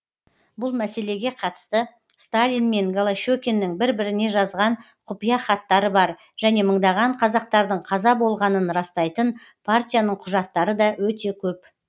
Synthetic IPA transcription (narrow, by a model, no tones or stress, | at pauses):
bʊlˠmæse̞le̞ɡʲe̞qʰɑt̪ə̥st̪ə | st̪alʲinme̞nɡolˠaʃokʲenːɪŋbɪɾbɪɾɪne̞ʒɑzʁɑɴ | qʰʊpijɑχɑt̪ːɑɾəbɑɾ | ʒ̥æne̞məɴd̪ɑʁɑɴqʰɑzɑq̚t̪ɑɾd̪əɴqʰɑzɑbo̞lˠʁɑnənɾɑst̪ɑjt̪ən | pʰart̪ʲijanəɴqʰʊʒɑt̪ːɑɾəd̪ɑwɵt̪e̞kʲʰɵp